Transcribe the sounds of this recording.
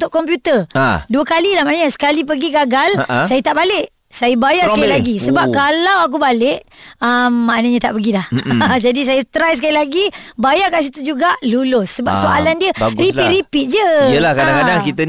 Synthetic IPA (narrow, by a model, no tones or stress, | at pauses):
t̪ʊʔkːɔmpjut̪əduəkalilahmaʔnəɲəsə̥kalip̬əɡiɡaɡalsajat̪aʔbalɪʔ | sajabajasəkalilaɡisəbap̚kalawak̬ubalɪʔəmːaʔnəɲãt̪a̰ʔpəɡilahd͡ʒadis̬ajəst̪ɾajsəkalilaɡibajakans̬it̪ud͡ʒuɡaʔlulʊsːəbap̚soʔalandiəɾiiʔɾipid͡ʒəəlahkadakadaŋkit̪ən